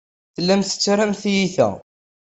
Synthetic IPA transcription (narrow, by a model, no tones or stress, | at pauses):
θəlːæmθə̥t͡sːɾæmθjiθæ̰